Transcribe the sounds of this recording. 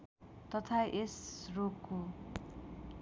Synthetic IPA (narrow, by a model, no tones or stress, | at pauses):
t̪ʌt̪ʰaʔesrokːo